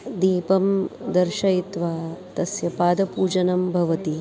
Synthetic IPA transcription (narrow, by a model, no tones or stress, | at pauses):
d̪iːpɐmd̪ɐɾʃɐit̪ʋaːt̪ɐsjɐpaːd̪ɐpuːd͡ʒɐnɐmbʱɐʋɐt̪i